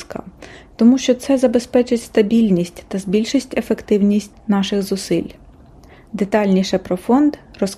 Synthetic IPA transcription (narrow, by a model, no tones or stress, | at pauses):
kɐ̰t̪ɔmuʃt͡ʃɔt̪sɛzɐbe̞spɛt͡ʃɪtʲst̪ɐbʲilʲnʲisʲtʲt̪ɐzbʲilʲʃisʲtʲe̞fekt̪ɪwnʲisʲtʲnɑʃɪxzʊsɪlʲ | d̪et̪ɑlʲnʲiʃɛpɾɔfɔnd̪rɔs